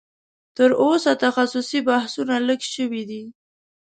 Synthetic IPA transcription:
t̪əɾʔosat̪axasusibahsunaləɡʃəwid̪i

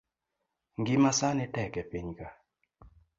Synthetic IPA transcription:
ŋɡimasanɪtɛkɛpiɲka

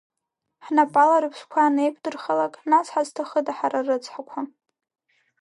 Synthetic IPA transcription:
ħnapʼalaɾɨpʰʃʷkʷʰaːnejkʷʰʼdɨrχalakʼnat͡sħaztʰaχədaħaɾarɨt͡sʰʼħakʷʰa

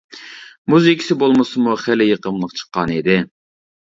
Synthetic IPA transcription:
muzikʲʰi̥sɪbolˠmɨsɨmuχælɪjəqəmlˠəqt͡ʃʰə̥qːɑnid̪ɪ

